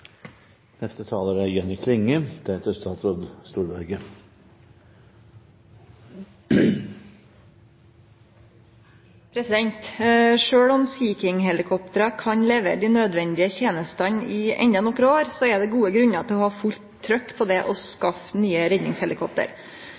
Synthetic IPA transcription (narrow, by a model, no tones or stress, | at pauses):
nɛst̪ət̪ʰɑːləɾæjœnɪkʰlɪŋːəd̪̥ʰɛt̪əst̪ʰɑlsɾɔd̪st̪uːɾbæɾɡə | pʰɾɛsɪd̪ɛnt̪ʂøːɽɔmsiːkɪŋɦɛlɪkʰɔpt̪əɾɑkʰɑɲleːʋə̰d̪inød̪ʋɛnd̪ɪəçeːnəst̪ɑnɪɛ̰ɲd̪ɑnɔkɾəoːɾsɔɛd̪ɛɡuːəɡɾʉɲɑt̪ʰɪlɔhɑːfʉlt̪ʰːɾœkːpʰɔd̪ɛʔɔskɑfnyːəɾɛd̪nɪŋshɛlɪkʰɔp̚t̪ə̰ɾ